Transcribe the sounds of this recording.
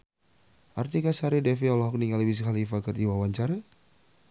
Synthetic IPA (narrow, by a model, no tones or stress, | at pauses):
art̪ikasaɾidɛfiɔlɔɦɔk̚niŋaləbis̬əkalifakərdiwawaɲt͡ʃaɾa